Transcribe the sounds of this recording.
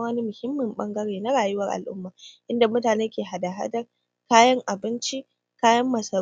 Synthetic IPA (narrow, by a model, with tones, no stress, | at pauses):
wɐ˦ni˦mʊ˨hɪ˦mːɪ˨mɓɐ˦ŋɡɐ˦ɽeː˨na˦ɽaː˨jʊ˦wɐ˦rʔa̰˨lʔʊ̰˦mːaː˨ʔɪ˦nda˨mʊ˦taː˨neː˦kʲeː˨ɦa˨da˨ɦa̰˦dɐ˦r | kaː˦jɐ˦ŋʔa˨bɪ˦nt͡ʃi˦ | kaː˦jɐ˦mːɐ˨sɐ˨